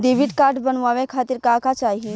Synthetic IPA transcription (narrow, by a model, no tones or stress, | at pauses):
d̪eʋiʈkaːɾʈbənʋaʋẽkʰaːt̪iɾkakat͡ʃaːɦi